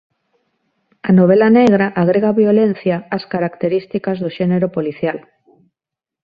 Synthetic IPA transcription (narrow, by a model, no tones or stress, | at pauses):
anoβ̞elaneɣ̞ɾaʔaɣ̞ɾeɣaβjolen̟θjaːskaɾakt̪eɾist̪ikazðoʃeneɾopoliθjal